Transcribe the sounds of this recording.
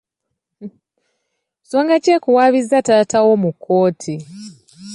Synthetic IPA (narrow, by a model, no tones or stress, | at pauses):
soːŋɡaceːkuwaːβizːataːtawo̞mukʰːo̞ːtʰi